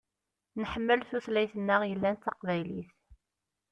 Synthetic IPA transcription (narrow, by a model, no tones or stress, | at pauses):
nħəmːəlθuθlæjθənːəʁjəlːænt̪ːɑqvæjliθ